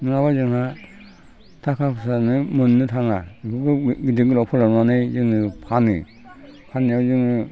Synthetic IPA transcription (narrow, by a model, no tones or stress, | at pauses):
nɯŋabazɯŋa | tʰakʰapʰsanɯmɯnːɯtʰaŋakʰɯɡɯɡidiɡɯlɔpʰɯlanuanɯjzɯŋɯpʰanɯ̰ | pʰanijawzɯŋɯ